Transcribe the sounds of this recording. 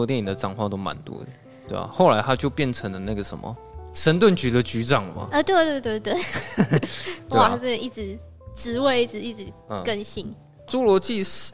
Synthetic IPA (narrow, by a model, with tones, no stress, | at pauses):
ɔ˧t̪jɛ˥˩ni˨˩d̪ə˦ʈ͡ʂɑ˨˩ŋkʰwɑ˥˧ŋt̪o˥ʊma̰˧˦nt̪wɔ̰˧˥ə˨ | t̪we˥˩a̰˨˩xo˥˩ʊla˧˥ɪt̪ʰa˥t͡ɕjo˥˧ʊpjɛ˥˩nt͡sʰə˧˥ŋlə˨na˥˩ɡə˩ʂə̰˧˦nmə̰˨˩ʂə˧˦˥nt̪wə˥˩nt͡ɕy˨˥d̪ə˧˦t͡ɕy˧˥ʈ͡ʂɑ˨˩ŋə˨ma̰˨˩ə˧˩t̪we˥˧ɪt̪we˥˧t̪̬we˥˧t̪we˥˩ | we˥a˥˩˥t͡sə˥˩ɡə˩ʔi˥˩ʈ͡ʂɻ̩˨˩˦ | ʈ͡ʂɻ̩˧˥we˥˧ɪi˥˩ʈ͡ʂɻ̩˨˩i˥˩ʈ͡ʂɻ̩˨˩˧kə˥˧nɕi˥˩n | ʈ͡ʂu˥lwɔ˧˥t͡ɕi˥˧